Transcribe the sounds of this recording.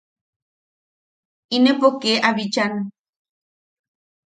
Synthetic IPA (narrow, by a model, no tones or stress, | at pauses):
inepokeʔaβit͡ʃan